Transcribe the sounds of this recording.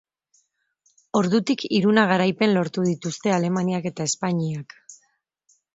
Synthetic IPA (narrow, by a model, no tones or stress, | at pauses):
o̞ɾðut̪ikiɾunaɣ̞aɾajpe̞nlo̞ɾt̪uð̞it̪ust̪e̞ale̞maniake̞t̪ae̞spaɲiak